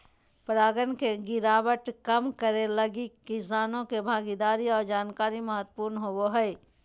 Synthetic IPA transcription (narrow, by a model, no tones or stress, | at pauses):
pɾaːɡənkeɡɪɾaːbəʈkəmkəɾeləɡikɪsaːnõkebʱaːɡid̪aːɾiɔːɾd͡ʒaːnkaːɾiməɦət̪ːpuːɾnɦowoɦəɪ